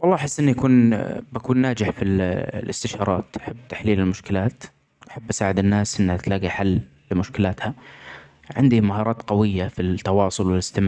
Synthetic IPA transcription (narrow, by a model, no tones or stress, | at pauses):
wɑlˤːɑːʔħɪsːʔɪnːijʔakuːnbakuːnːaːd͡ʒɪħfillɪ̰st̪ɪʃɑːɾˤɑ̰ːt̪ʔḁħabːt̪ḁħliːlɪlmʊʃkɪlaːt̪ | ʔaħabːʔḁsaːʕɪd̪ɪnːaːsʔɪnːhat̪laːɡiħalː | ɪmʊʃkɪlaːt̪ha | ʕɪnd̪imaɦɑːɾˤɑːt̪qɑwɪjːafit̪ːɑwɑːsˤʊlwɪlɪst̪ɪm